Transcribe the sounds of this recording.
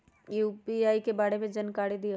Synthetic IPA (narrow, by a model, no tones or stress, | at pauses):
juːpiaːikebaːɽemẽd͡ʒɐnkaːɽid̪i